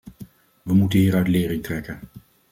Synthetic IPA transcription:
ʋəmutənɦiːɾœɥtlɪːɾɪŋtrɛkən

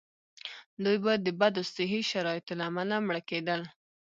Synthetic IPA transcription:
d̪ujbajd̪əbad̪osɪɦiʃaɾɑjɪt̪olamalamɽəked̪əl

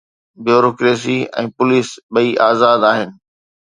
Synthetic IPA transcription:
bjoːɾoːkɾeːs̬iɛ̰̃ːpʊliːsɓɐiʔaːzaːd̪aːɦɪnɪ̆

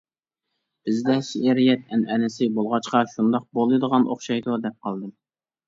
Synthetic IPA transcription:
b̥ɪzd̪ɛʃiʔeɾijɛt̪̚ɛnʔɛnɪsɪbolˠʁɑt͡ʃqɑʃund̪ɑq̚bolˠɨd̪əʁɑnʔo̰χʃɑjd̪ud̪ɛp̚qʰɑlˠd̪ɨm

